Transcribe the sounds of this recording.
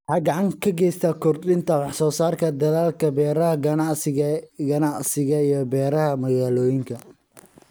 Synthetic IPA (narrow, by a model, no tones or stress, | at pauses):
hɑːɡɑʕɑŋkʰɐɡɛjst̪ʰɐkʰʊrd̪ɪnt̪ʰɐwɑħsɔːsaːrkʰɐd̪ɐðaːlkʰɐbɛːɾɐɦɐɡɐnɑʕsɐɡɐnɑʕsɪɣɐijɞbɛːɾɐɦɐmɐɣaːlɔːjɪŋkʰɐ